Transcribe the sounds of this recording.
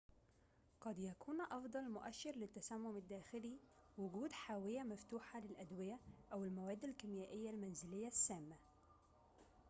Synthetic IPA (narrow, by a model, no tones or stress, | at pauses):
qɑd̪jækʰuːnʔɑfd̪ˤɑlmʊʔæʃːɪɾlɪt̪ːæsæmːʊmɪd̪ːæːxɪliwʊɡuːd̪ħaːwɪjæmæft̪uːħalɪlʔæd̪wɪjæʔæwɪlmæwæːd̪ːɪlkɪmjæːʔɪjːælmænzɪlɪjːasːæːmːa